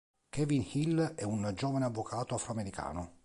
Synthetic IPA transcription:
kʰɛvinhilɛund͡ʒoːvaneavːokʰaːt̪oafɾoameɾika̰ːno

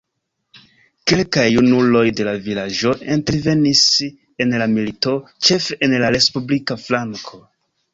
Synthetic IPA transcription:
ke̞lkajunulo̞jde̞lavilad͡ʒo̞e̞nte̞ɾve̞nis | e̞nlamilito̞t͡ʃe̞fenlaɾe̞spublikaflaŋkʰo̞

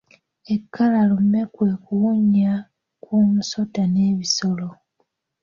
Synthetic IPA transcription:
e̞kʰːalalumːe̞kwe̞ːkuwuɲːa | kuːmuso̞tane̞ːβiso̞lo

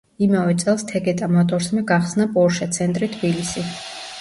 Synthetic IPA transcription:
imavɛt̪sʼɛlˠst̪ʰɛɡɛt̪ʼamɔt̪ʼɔɾsmaɡaχsnapʼɔɾʃat̪sʰɛnt̪ʼɾit̪ʰbilisi

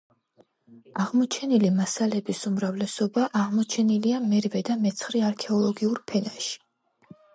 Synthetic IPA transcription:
aʁmɔt͡ʃʰɛnilimasalɛbisumɾavlɛsɔbaʔaʁmɔt͡ʃʰɛniliamɛɾvɛd̪amɛt̪sʰχɾiaɾkʰɛɔlˠɔɡiuɾpʰɛnaʃi̥

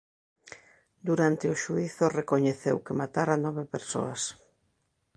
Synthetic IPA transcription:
d̪uɾant̪ɪoʃuiθʊrekoɲeθewkɪmat̪aɾanɔβepeɾso̰as

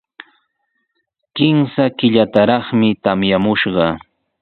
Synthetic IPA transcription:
kɪmsakɪʎat̪aɾɑχmɪt̪amjamʊʃɢɑ

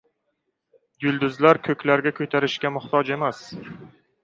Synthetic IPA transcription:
jʊlˠd̪ʊzlaɾkʰɵkʲlaɾɡʲakʰɵt̪ʰaɾɪʃkʲamʊht̪ʰɒd͡ʒe̞mas

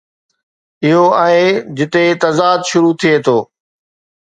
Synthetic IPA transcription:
ɪɦoaːɦed͡ʑɪt̪et̪ɐzaːd̪ʃʊɾut̪ʰiet̪ʰoː

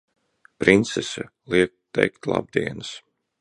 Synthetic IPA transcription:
pɾint̪sɛsɨ | lˠiɛk̚t̪ːɛjkt̪lˠa̰b̚d̪iɛnɨs

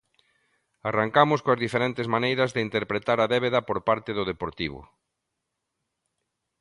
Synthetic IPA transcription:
araŋkamʊskoɐzðifeɾɛnt̪ezmanejɾɐzðɪint̪eɾpɾet̪aɾɐðɛβ̞eðɐpoɾpaɾt̪eðʊðepoɾt̪iβ̞ʊ̰

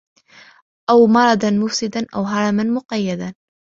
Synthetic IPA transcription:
ʔawmɑɾˤɑd̪ɑnmʊfsɪd̪anʔa̰wɦɑɾˤɑmanmʊqɑjːad̪a

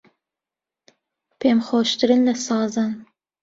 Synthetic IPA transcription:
pʰeːmχoːʃt̪ʰɨɾɨnlɐsɑːzɐn

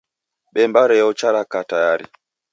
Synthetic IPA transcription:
ɓɛmbaɾɛɔt͡ʃaɾakatajaɾḭ

